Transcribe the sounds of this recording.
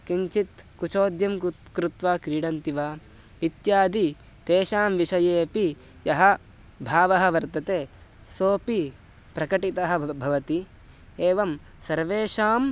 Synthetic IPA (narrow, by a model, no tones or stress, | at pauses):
kiɲt͡ʃit̪kut͡ʃoːd̪jɐmkɾut̪ʋaːkɾiːɽɐnt̪iʋaː | it̪jaːd̪ʱi | t̪eːʃaːmʋiʃɐjeːpi | jɐɦɐ̆ | bʱaːʋɐɦɐ̆ʋɐɾt̪ɐt̪eː | soːpi | pɾɐkɐʈit̪ɐɦɐ̆bʱɐʋɐt̪i | eːʋɐm | sɐɾʋeːʃaːm